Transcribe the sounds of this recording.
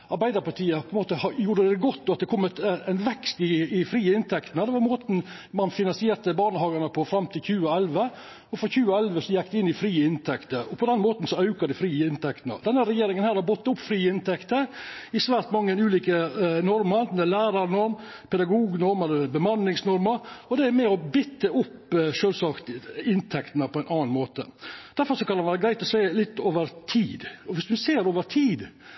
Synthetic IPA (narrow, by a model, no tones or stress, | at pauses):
ɑɾbæɪd̪əɾpɑʈ̪ʰiːəpʰɔɛnmoːt̪əhɑjuːɾəd̪d̪ɛɡɔt̪ːɔɑt̪̚d̪ɛkʰɔmːət̪nʋɛkst̪ɪɪfɾiːəɪnt̪ʰɛkt̪ənəd̪ɛʋɑɾmoːt̪n̩ | mɑnfɪnɑnsɪeːɾt̪əbɑːɳəhɑːɡənəpʰɔfɾɑmt̪ʰɪlçʉːəɛlʋə | ɔfɔɾçʉːɛlʋəsɔjɛk̚ːd̪ɛɪnːɪfɾiːəɪnt̪ʰɛkt̪əɾɔpʰɔd̪ɛnmoːt̪n̩sɔɑʉkɑd̪ɪfɾiːəɪnt̪ʰɛkt̪nə̰d̪ɛnːəɾɛjeːɾɪŋənhæːɾhɑbɔt̪ːʊpːfɾiːəɪnt̪ɛkt̪əɾɪsʋæːɾʈ̪mɑŋːənʉːliːkənɔɾmɑd̪nəlæːɾɑɾnɔɾm | pʰɛd̪ɑɡuːɡnɔɾmɑlːəbəmɑnːɪŋsnɔɾməɾɔd̪ɛæɾmɛɔbɪt̪ːəʊpːʂøːlsɑːkt̪ɪnt̪ʰɛkt̪ənəpʰɔæɪnʔɑːnmoːt̪ə̰d̪̥æɾfɔɾʂɔkɑnɑnʋæːɾəɡɾæɪt̪ɔsæɪlɪt̪ːoːʋəɾt̪ʰiːd̪ɔʋɪsd̪ʉnseːɾoːʋəɾt̪ʰiːd̪